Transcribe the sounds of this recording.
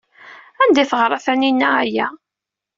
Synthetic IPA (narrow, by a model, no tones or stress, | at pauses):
ænd̪iθəʁɾˤɑθæninːææjæ